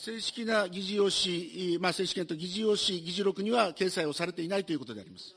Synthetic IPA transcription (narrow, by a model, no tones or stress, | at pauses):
se̞ːɕi̥kʲinaɡʲiʑijo̞ɕimase̞ːɕi̥kʲẽ̞nt̪o̞ɡʲiʑijo̞ɕiɡʲiʑiɾo̞kɯ̟ɲ̟iβake̞ːsaio̞saɾe̞t̪e̞inait̪o̞iɯ̟ko̞t̪o̞d̪e̞a̰ɾimasɨ̥